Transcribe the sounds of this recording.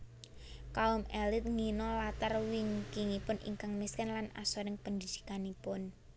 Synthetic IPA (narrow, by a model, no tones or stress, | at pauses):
kaʊmɛlɪt̪̚ŋinɔlat̪ərwiŋkiŋipʊnʔḭŋkaŋmiskɛnlana̰sɔɾɪŋpənd̪id̪̥i̥kanipʊn